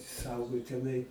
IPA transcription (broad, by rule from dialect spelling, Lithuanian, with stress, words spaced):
ˈsɐʊɡɐʊ tʲɛˈnɐɪ